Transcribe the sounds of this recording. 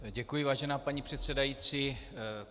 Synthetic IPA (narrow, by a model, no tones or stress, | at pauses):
ɟɛkujɪvaːʒɛnaːpaɲipr̝̥ɛt̪sɛdajit͡siː